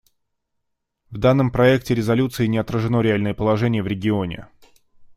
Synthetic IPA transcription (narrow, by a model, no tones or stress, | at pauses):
vd̪anːəmpɾɐɛk̚tʲɪɾʲɪzɐlʲut̪sɨɪnʲɪɐt̪ɾəʐɨno̞ɾʲɪalʲnəjəpəlˠɐʐɛnʲɪjəvɾʲɪɡʲɪo̞nʲɪ̰